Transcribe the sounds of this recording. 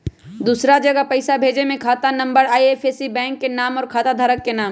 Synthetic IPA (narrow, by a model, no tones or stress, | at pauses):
d̪uːsɾad͡ʒɐɡəpɐɪsabʱeːd͡ʒemẽkʰaːt̪anɐ̃mbəɾaːieːfʰesibɛ̃ːŋkːenaːmɔːɾkʰaːt̪ad̪ʱaːɾəkːenaːm